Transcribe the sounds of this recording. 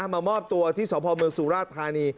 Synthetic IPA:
maː˧mɔː˥˩p̚t̪u˧ɐt̪ʰiː˥˩sɔː˩˦pʰɔː˧mɯ˧əŋsuː˨˦ɾaː˥˩t̪ʰːaː˧niː˧

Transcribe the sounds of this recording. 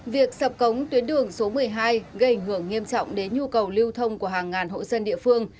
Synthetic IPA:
vi˨˩ək̚sə˨˩p̚kə˨˦wŋ͡mt̪wi˨˦ənɗɨ˨˩əŋso˨˦mɨ˨˩əjɦaː˧jɣə˧jʔa˧˩jŋ̟ɦɨ˧˩əŋːi˧əmt͡ɕɔ̰˧˨wŋ͡mɗe˨˦nɲu˧kə˨˩wli˧wt̪ʰə˧wŋ͡mku˧˩əɦaː˨˩ŋːaː˨˩nɦo̰˧˨jzə˧nɗḭ˧˨əfɨ˧əŋ

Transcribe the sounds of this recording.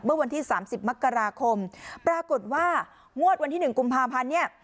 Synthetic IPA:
mɯ˥˩ɐwa˧nt̪ʰiː˥˩saː˩˦msi˨˩p̚ma˦˥kːa˧ɾaː˧kʰo˧mpɾaː˧ko˨˩t̪̚waː˥˩ | ŋu˥˩ət̪̚wa˧nt̪ʰiː˥˩nɯ˨˩ŋku˧mpʰaː˧pʰa˧nːi˥˩ɐ

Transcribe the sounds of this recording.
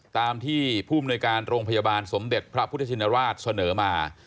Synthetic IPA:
t̪aː˧mt̪ʰiː˥˩pʰuː˥˩a˧mnuː˧jkaː˧nɾoː˧ŋpʰa˧ja˧baː˧nso˩˦md̪e˨˩t̪̚pʰɾa˦˥pʰu˦˥a˧˩t͡ɕi˧na˧ɾwaː˥˩t̪̚sa˧nɤː˩˦maː˧

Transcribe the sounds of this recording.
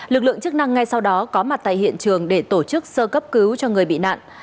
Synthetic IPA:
lɨ˨˩k̚lɨ˧˨əŋt͡ɕɨ˦˥k̚na˧ŋːa˧jsa˧wɗɔ˨˦kɔ˨˦ma˨˩t̚t̪a̰ː˧˨hḭ˧˨ənt͡ɕɨ˨˩əŋɗe˧˩t̪o˧˩t͡ɕɨ˦˥k̚səː˧kə˦˥p̚kɨ˨˦wt͡ɕɔ˧ŋɨ˨˩əjɓḭ˧˨na̰ː˧˨nʔ

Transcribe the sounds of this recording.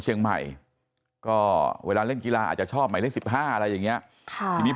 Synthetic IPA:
t͡ɕʰi˧əŋma̰˨˩j | kɔː˥˩wḛː˧laː˧ɾɯ˥˩nŋki˧laː˧ʔa̰˨˩t̪̚t͡ɕa˨˩t͡ɕʰɔː˥˩p̚ma˧˩ɾɯ˥˩˨nsi˨˩p̚ɦaː˥˩ʔa˧ɾa˧jːa˨˩ŋi˦˥ɐ | kʰa˧˩i˧miː˦˥

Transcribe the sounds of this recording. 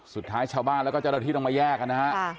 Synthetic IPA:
su˨˩t̪ʰːaː˦˥jt͡ɕʰaː˧wbaː˥˩nlɛ˦˥wkɔː˥˩a˨dɾa˧t̪ʰiː˥˩t̪ːmaː˧jɛː˥˩k̚ka˧na˦˥ha˦˥ʔ

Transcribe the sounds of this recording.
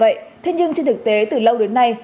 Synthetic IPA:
və̰˧˨jt̪ʰe˧ɲɨ˧ŋt͡ɕe˧nt̪ʰɨ˨˩k̚t̪e˨˦t̪ɨ˨˩lə˧wɗe˨˦nːa˧j

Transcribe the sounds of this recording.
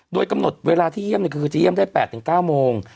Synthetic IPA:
doː˧jka˧mno˨˩t̪̚weː˧laː˧t̪ʰiː˥˩jmni˧˥˩kʰɯː˧t͡ɕa˨˩ji˥˩mndaː˥˩jpɛː˨˩t̪ʰːɯ˩˦ŋkaː˥˩wmoː˧ŋ

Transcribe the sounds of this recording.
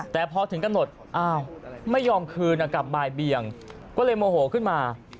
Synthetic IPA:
t̪ɛː˨˩pʰɔ˧t̪ʰɯ˩˦ŋka˧mno˨˩t̪̚ʔaː˧˩wma˥˩jːɔː˧mkʰɯː˧nʔa˧˩ka˨˩p̚baː˧jbi˨˩əŋ | kɔː˥˩lɤː˧jmoː˧hoː˩˦kʰɯ˥˩nmaː˧

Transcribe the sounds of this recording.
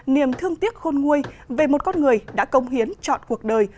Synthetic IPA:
ni˨˩əmt̪ʰɨ˧əŋt̪i˦˥ət̚xo˧nŋu˧əjve˨˩mo˨˩t̚kɔ˧nŋɨ˨˩əjɗa̰ː˧˥kə˧wŋ͡mɦi˨˦ənt͡ɕɔ̰˧˨nku˨˩ək̚ɗəː˨˩j

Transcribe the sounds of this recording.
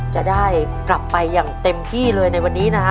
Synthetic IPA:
t͡ɕa˨˩daː˥˩j | kla˨˩pːa˧jːaː˨˩ŋt̪e˧mt̪ʰiː˥˩lɤː˧jna˧jwa˧nːiː˦˥na˦˥kʰa˦˥

